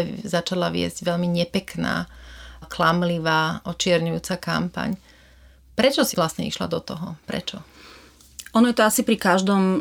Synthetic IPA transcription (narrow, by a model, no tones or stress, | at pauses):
zat͡ʃalaʋɪɛ̰zɟʋɛʎmiɲɛpɛkna̰ːklamliʋaːʔɔt͡ʃɪɛɾɲujuːt͡saka̰mpa̰ɲ | pɾɛt͡ʃɔsilasɲɛḭʃla̰d̪ɔt̪ɔɦɔpɾɛ̰t͡ʃɔ | ʔɔnɔjɛt̪ɔasipɾikaʒd̪ɔm